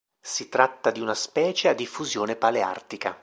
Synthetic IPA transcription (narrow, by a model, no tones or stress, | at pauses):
sit̪ɾat̪ːad̪iunaspɛːt͡ʃead̪ːifːuzjoːnepalea̰rt̪ika